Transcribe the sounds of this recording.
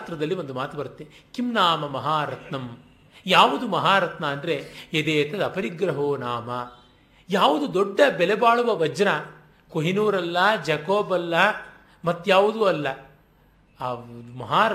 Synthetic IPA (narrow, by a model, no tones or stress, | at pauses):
t̪ɾɐd̪ɐlːiʋo̞nd̪umaːt̪ubɐɾut̪ːekimnaːmɐmɐɦaːɾɐt̪nɐm | jaːʋud̪umɐɦaːɾɐt̪nɐɐnd̪ɾeed̪eːt̪ɐd̪ɐpɐɾiɡɾɐɦoːnaːmɐ | jaːʋud̪ud̪oɖːɐbɛlɛbaːɭuʋɐʋɐd͡ʒɐnɐ | koɦinuːɾɐlːɐd͡ʒɐkoːbɐlːɐ | mɐt̪ːjaːʋud̪uɐlːɐ | d̪umɐɦaː